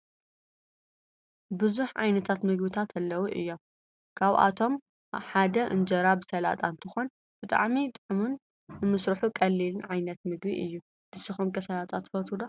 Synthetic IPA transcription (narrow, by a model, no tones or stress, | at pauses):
bɨzuħʕa̰jnɐt̪ʰat̪mɨɡbɨt̪ʰat̪ʰɐlːɐwuʔɨ̰jːo̞m | kʰaβʔa̰t̪ʰo̞m | ħad̪ɐʔɨ̰nd͡ʒɐɾabɨsɐla̰t̪ʼant̪ʰɨxo̞n | bɨt̪ʼa̰ʕmit̪ʼɨħumunː | ɨmɨsɾɨħukʼɐlːilɨnʕajnɐt̪mɨɡbiʔɨjːu | d̪̥ɨsɨxomkɐsɐlat̪ʼat̪fɐt̪ʰud̪o